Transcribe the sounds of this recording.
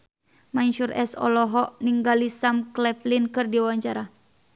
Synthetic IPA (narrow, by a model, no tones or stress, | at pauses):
manʃurʔɛ̰sɔ̰lɔɦɔʔniŋɡalisamklɛflinkɨrdiawaɲt͡ʃaɾa